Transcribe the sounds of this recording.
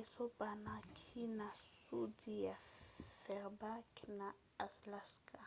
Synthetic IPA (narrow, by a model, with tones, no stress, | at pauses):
eso˦ba˨na˦kʰi˦na˨su˦di˦ja˨fɛʁba˦kʰina | a˨slaskʰa˨